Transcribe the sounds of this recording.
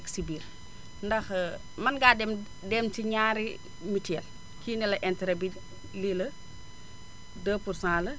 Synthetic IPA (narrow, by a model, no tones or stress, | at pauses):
ksibiːɾ | ndɐx | mɐnɡaːdɛm | dɛmt͡ʃiɲaːɾi | mitɛːl | kiːnɛlɐʔɛntɛɾɛbi | lilɐ | dəːpursãːlɐ